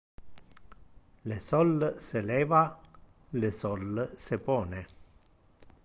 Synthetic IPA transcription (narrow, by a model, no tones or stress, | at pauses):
lesɔlːselɛːva | lesɔlːsepɔːne